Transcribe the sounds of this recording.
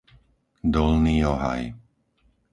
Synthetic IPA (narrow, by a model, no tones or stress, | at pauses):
d̪ɔlniːɔɦa̰j